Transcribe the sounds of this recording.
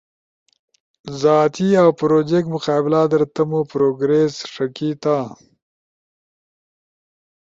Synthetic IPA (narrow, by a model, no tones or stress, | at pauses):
zaːt̪ʰiawpɾoːd͡ʒek̪̚mʊqɑːbɪlad̪əɾt̪ɐmopɾoːɡɾesʂɐkit̪a